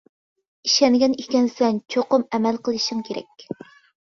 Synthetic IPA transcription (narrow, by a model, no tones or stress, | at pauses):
iʃɛnɡʲɛnekʲɛnsɛnt͡ʃʰoqʊmɛmɛlqəlˠɨʃɪŋkʲʰeɾɛ̰kʲ